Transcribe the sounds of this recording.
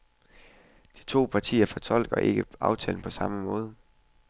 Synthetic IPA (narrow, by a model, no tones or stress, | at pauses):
d̥i̥t͡sʰo̝̰ːpʰɑ̈t͡sʰḭːɐfɒ̽t͡sʰɒ̽l̰ɡ̥ɐʔe̝ɡ̥əɑ̈ʊt͡sʰɛ̰ːln̩pʰɒ̽sɑ̈məmɔ̽ːð̞ˠə